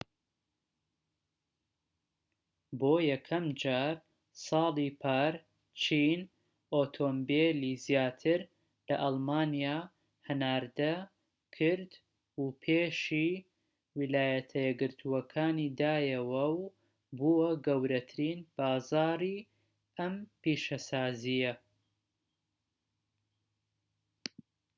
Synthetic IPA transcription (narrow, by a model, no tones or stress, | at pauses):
boːjɐkʰɐmd͡ʒaːɾ | sɑːlˠipʰaːɾ | t͡ʃʰiːn | ʔoːt̪ʰombeliːzijaːt̪ʰɨɾ | lɐʔɑlˠmaːnijaː | hɨnaːɾd̪ɐ | kʰɨɾd̪ | upʰeːʃi | wilaːjɐt̪ʰɐjɛɡɨɾt̪ʰuwɐkʰaːnid̪aːjɐwɐw | buwɐɡɐwɾɐt̪ʰɨɾiːnb̥aːzaːɾi | ʔɐmpiːʃɐsaːzijɐ